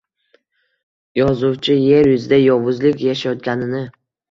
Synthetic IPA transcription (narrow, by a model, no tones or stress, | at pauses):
jɒzʊwt͡ʃʰɪje̞ɾjʊzɪd̪ajɒvʊzlɪkʲjaʃajɒt̪̚ɡʲanɪnɪ